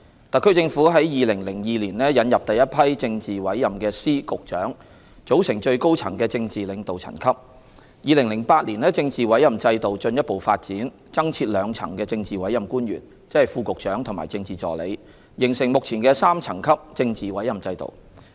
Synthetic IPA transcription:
t̪ɐ˨kʰːɵ˥t͡sɪ˧ŋfuː˨˥ɦɐ˨˥jjiː˨lɪ˨˩ŋlɪ˨˩ŋjiː˨˩liː˨˩nlɛː˥jɐ˨˧˥njɐ˨p̚t̪ɐ˨jːɐ˥t̚pʰɐ˥jt͡sɪ˧ŋt͡siː˨wɐ˨˥jːɐ˨˩mkɛː˧siː˥kʊ˨k̚t͡ʃœː˨˥ŋ | t͡ʃo˨˥wsɪ˨˩ŋt͡ʃɵ˧ɥko˥wt͡sʰɐ̰˨˩ŋkɛː˧t͡sɪ˧ŋt͡siː˨lɪ˨˧ŋt̪o˨wt͡sʰɐ̰˨˩nkʰɐ˥p̚ | jiː˨lɪ˨˩ŋlɪ˨˩ŋpaː˧t̚liː˨˩nɛː˥t͡sɪ˧ŋt͡siː˨wɐ˨˥jɐ˨˩mt͡sɐ˧jt̪o˨wt͡ʃɵ˧njɐ˥t̚po˨wfaː˧t̚t͡siː˨˥n | t͡sɐ˥ŋt͡sʰiː˧t̚lœː˨˧ŋt͡sʰɐ̰˨˩ŋkɛː˧t͡sɪ˧ŋt͡siː˨˩wɐ˨˥jɐ˨mkuː˥njy̰ː˨˩n | t͡sɪ˥hɐ˨˩jfuː˧kʊ˨k̚t͡ʃœː˨˥ŋt̪ʰʊ˨˩ŋma̰ː˨˩jt͡sɪ˧ŋt͡siː˨t͡sɔ̰ː˨˩lḛ˨˧j | jɪ˨˩ŋsɪ˨˩ŋmʊ˨k̚t͡sʰiː˨˩nkɛː˧saː˥mt͡sʰɐ˨˩ŋkʰɐ˥p̚t͡sɪ˧ŋt͡siː˨wɐ˨˥jɐ˨mt͡sɐ˧jt̪o̰˨w

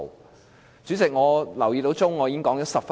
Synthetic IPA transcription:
t͡syː˨˥t͡sɪ˨k̚ŋɔː˨˧lɐ˨˩wjiː˨˧t̪o˨˥wt͡sʊ˥ŋːɔː˨˧jiː˧˥ŋkɔː˨˥ŋt͡sɔː˨˥sɐ˨p̚f

